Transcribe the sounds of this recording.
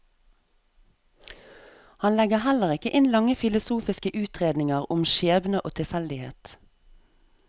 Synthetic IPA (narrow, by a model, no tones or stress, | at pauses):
hɑnlɛɡəhæləʁɪkəʔɪnlɑŋəfɪlʊsuːfɪskəʔʉːt̪ʁeːd̪nɪŋəʁʊmʃeːbnəʔoːt̪ʰɪlfɛld̪ɪhḛːt̪